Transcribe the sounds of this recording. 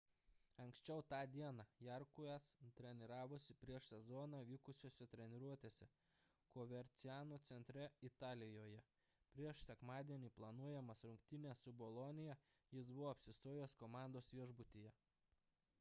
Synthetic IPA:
ɐŋʲksʲt͡ʃʲɛʊt̪ɑːd̪ʲiɛnɑjɛɾkʊɛst̪ʲɾʲɛnʲɪɾɑːʋʊsʲɪpʲɾʲiɛʃsʲɛzɔːnɑːʋʲiːkʊsʲoːsʲɛt̪ʲɾʲɛnʲɪɾuɔt̪ʲeːsʲɛ | koːʋʲɛɾʲt̪sʲɪæːnot̪sʲɛnʲt̪ʲɾʲɛɪt̪ɑːlʲɪjoːjɛ | pʲɾʲiɛʃsʲɛkmɑːd̪ʲiɛnʲiːplˠɐnuɔjɛmɐsɾʊŋk̚t̪ʲɪnʲeːsʊbɔlˠɔnʲɪjɛ | jɪsbʊʋoːɐpʲsʲɪst̪oːjɛskomɑˑnd̪oːsʋʲiɛʒbʊt̪ʲijɛ

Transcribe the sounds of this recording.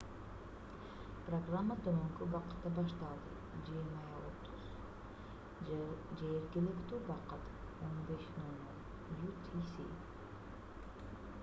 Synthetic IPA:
proɡramːat̪øɾɵŋkybɑqɨ̥t̪ːabɑʃt̪ɑlˠd̪ɯ̰ | d͡ʒiɾmɑjao̰t̪ʰuz̥ | d͡ʒeeɾɡʲilekt̪ywɑqət̪onbeʃnonːon | jut̪ʰisḭ

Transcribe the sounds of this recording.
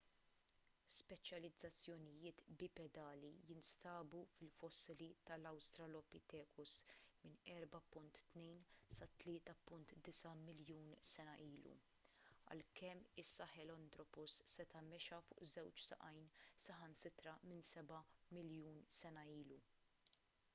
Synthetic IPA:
spɛt͡ʃjɐlɪd͡zːɐt͡sːjɔnɪjɪːt̪bɪpɛd̪ɐːlijɪnst̪ɐːbufɪlfɔsːɪlit̪ɐlɐwst̪ɾɐlɔpɪt̪ɛːkʰʊsmɪnɛɾbɐpʊnt̪ːnɛjnsɐt̪lɪːt̪ɐpʊnt̪d̪ɪsɐmɪljuːnsɛnɐʔiːlṵ | ɐ̰lkɛmːɪsːɐħɛlɔnd̪ɾɔpʊsːɛt̪ɐmɛʃɐfʊ̰ːʔzɛwt͡ʃsɐ̰ʔɐjnsɐɦɐnsɪt̪ɾɐmɪnsɛbɐmɪljuːnsɛnɐiːlu

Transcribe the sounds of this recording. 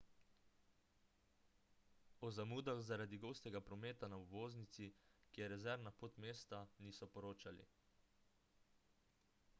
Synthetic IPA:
ɔzamuːd̪axzaɾad̪iɡoːst̪ɛɡapɾɔmeːt̪anauʋoːznit̪sikijɛɾɛzɛɾnapoːt̪meːst̪aniːsɔpɔɾoːt͡ʃalḭ

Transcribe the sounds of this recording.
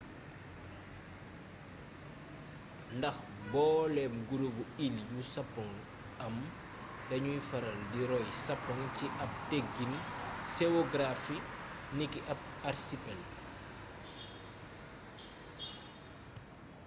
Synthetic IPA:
ndɐx | bɔːlɛmɡuɾubuiljusɐpːɔŋ | ɐm | dɐɲuifɐɾɐldiɾɔjsɐpːɔŋciʔɐp̚teɡːinseoɡɾafinikiʔɐp̚ɐɾsipɛl

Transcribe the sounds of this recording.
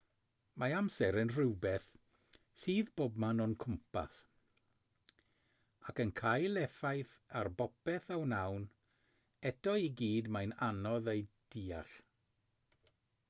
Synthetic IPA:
maamsɛɾənrɪwbɛθ | siːðboːb̚manɔnkʰʊmpa̰s | akənkʰajlˠɛfajθarbɔpɛθawnawn | ɛdɔiɡiːdmajnanɔðejd̥iːa̰ɬ

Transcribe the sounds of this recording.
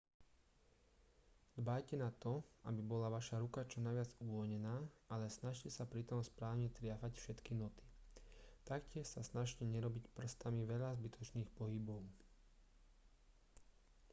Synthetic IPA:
d̪baːjcɛnat̪ɔʔabibɔlaʋaʃaɾukat͡ʃɔnajʋɪad͡zuʋɔlɲɛnaːalɛsnaʃcɛsapɾit̪ɔmspɾaːʊɲɛt̪ɾɪafacfʃɛt̪kinɔt̪i̥ | t̪akcɪɛʃsasnaʃcɛɲɛɾɔbicpr̩st̪amiʋɛʎazbit̪ʰɔt͡ʃniːxpɔɦibɔʊ

